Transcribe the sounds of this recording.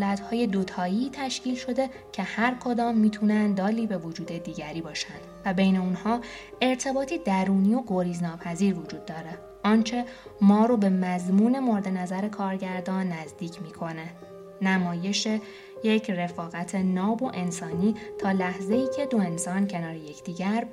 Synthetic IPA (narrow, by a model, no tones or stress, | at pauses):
læt̪hɒːje̞d̪o̞t̪ʰɒːiːt̪ʰæʃciːlʃo̞d̪e̞ | cʰe̞hæɾkʰo̞d̪ɒːmːiːt̪ʰunænd̪d̪ɒːliːbe̞vod͡ʒuːd̪e̞d̪iːɟæɾiːbɒːʃænd̪̥væbe̞jne̞unhɒː | e̞ɾt̪ʰe̞bɒːt̪ʰiːd̪æɾuːniːo̞ɡoɾiːznɒːpʰæziːɾvod͡ʒuːd̪ːɒːɾe̞ | ʔɒːnt͡ʃʰe̞ | mɒːɾobe̞mæzmuːne̞mo̞ɾed̪e̞næzæɾe̞kʰɒːɾɟæɾd̪ɒːnːæzd̪iːcʰmiːkʰo̞ne | næmɒːje̞ʃe̞ | je̞cʰre̞fɒːɣæt̪ʰe̞nɒːbo̞ʔe̞nsɒːniːt̪ʰɒːlæhze̞iːcʰe̞d̪o̞e̞nsɒːncʰe̞nɒːɾeje̞cʰd̪̥iːɟæɾ